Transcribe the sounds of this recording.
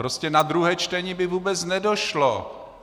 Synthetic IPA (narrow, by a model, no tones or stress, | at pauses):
ɾo̞scɛnad̪ɾuɦɛːt͡ʃt̪ɛɲɪbɪvuːbɛt͡snɛdo̞ʃlo